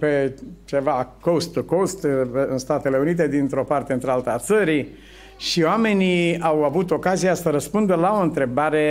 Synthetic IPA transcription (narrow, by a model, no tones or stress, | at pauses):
pe̞t͡ʃe̞vakost̪ukost̪ɨ̰nst̪at̪e̞le̞unit̪̬e̞d̪int̪ɾo̞part̪eɨnt̪ɾealt̪at̪səɾi | ʃioame̞niawavut̪o̞kaziasəɾəspund̪əlao̞ɨnt̪ɾe̞baɾe̞